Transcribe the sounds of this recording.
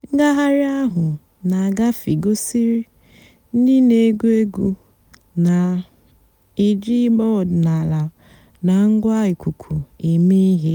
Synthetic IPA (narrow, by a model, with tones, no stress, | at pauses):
ŋ̩˦ɡa˦ɦa˦ɾɪ˦a˦ɦʊ˨ | na˨a˨ɡa˦fi˨ɡo˦si˦ɾi˦ | n̩˦di˦ne˨˦ɡu˦e˦ɡu˦ | na˨ | i˨d͡ʒi˦ɡ͡bɔ˦˨dna˨la˨ | na˨ŋ̩˦ɡʷa˦ɪ˨kʷu˨kʰu˨i˨mi˦ɦi˦